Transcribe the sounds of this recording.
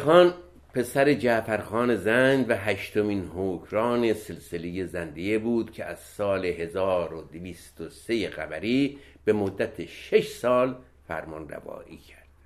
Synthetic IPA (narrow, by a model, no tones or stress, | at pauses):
xɒːn | pʰe̞sæɾe̞d͡ʒæfæɾxɒːne̞zænd̪væɦæʃt̪o̞miːnɦoːkʰɾɒːne̞se̞lseleje̞zænd̪ejebuːd̪̥cʰeʔæz̥sɒːleɦe̞zɒːɾod̪eviːst̪ose̞jeɣæbæɾiː | b̥e̞mod̪ːæt̪ʰeʃe̞ʃsɒːl | fæ̰ɾmɒnræ̰vɒ̰ːʔiːcʰæɾd̪̥